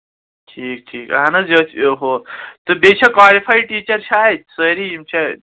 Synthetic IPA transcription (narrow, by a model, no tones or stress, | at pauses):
ʈʰiːk̚ʈʰiːka̰nɐzɐt̪ɦot̪ɨbet͡ʃʰɐkwaːlipʰajʈiːt͡ʃɐɾt͡ʃʰaːjt̪səɾiimt͡ʃʰɐ